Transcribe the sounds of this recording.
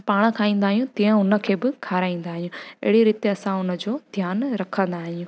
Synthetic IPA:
paːɽ̃̆kʰaːĩːn̆d̪aːɦijũt̪ĩːə̃ʊnə̆kʰeːbɪkʰaːɾaːĩːn̆d̪aːɦijũḛɦɪɽiɾiːt̪eɐsãʊnə̆d͡ʑoːd̪ʱjaːnɾɐkʰə̃nd̪aːɦijũ

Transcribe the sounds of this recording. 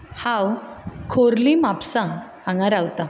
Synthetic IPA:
hãwkʰoɾlimapsãː | ŋɡaɾawt̪a

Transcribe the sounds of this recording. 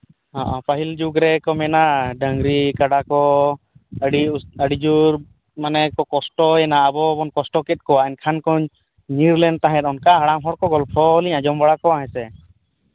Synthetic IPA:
ɔ̃ʔɔ̃pəɦild͡ʒuɡɾɛkɔmɛnaɖəŋɡɾikaɖakɔ | əɖiuəɖid͡ʒuɾ | manɛkɔkɔsʈɔɛnaːbɔbɔnkɔsʈɔkɛt̪̚kɔaɛnkʰankɔɲ | niɾlɛnt̪ãɦɛ̃t̪ɔnkaɦaɽamɦɔɽkɔɡɔlpʰɔliɲãd͡ʒɔmbaɽakɔaɦɛ̃sɛ

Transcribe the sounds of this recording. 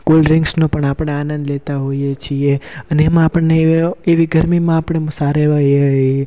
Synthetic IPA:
kolɾɪŋɡsnõpəɳapəɳeanə̃nd̪let̪aɦoijet͡ʃʰieəneːmãːpəɳneeʋiɡəɾmimãːpəɳ̃emsaɾeʋəjeɦe

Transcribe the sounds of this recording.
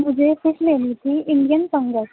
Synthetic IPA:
mʊd͡ʒʱeːsʊsleːlit̪ʰiːɪɳɖijənsə̃ŋɡəʈ

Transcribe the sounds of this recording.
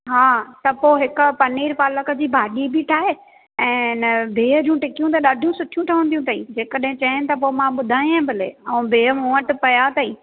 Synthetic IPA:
ɦaːt̪ɐpoːɦɪkʊ̆pɐniːɾpaːləkə̆d͡ʑiːbʱaːɗibiʈʰaːɦe | ɛ̃ːnɪbʱeːɦəd͡ʑũːʈɪkijũt̪ɐɗaːɖʱijũsʊʈʰijũʈʰɐʋə̃nd̪iũt̪ʰaːid͡ʑeːkəɗɦɪ̃t͡ɕɐɪ̃nɪ̆t̪ɐp̬oːmãɓʊd̪ʱaːj̃ãbɐlḛːɐũbʱeːɦəũːəʈʊ̆pɐjat̪ɐiː

